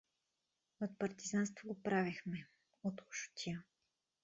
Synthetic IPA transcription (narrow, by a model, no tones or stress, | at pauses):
ot̪̚pɐɾt̪izanst̪voɡopɾavixmɛ | ot̪ʊ̥ʃʊ̥t̪ʲʰiə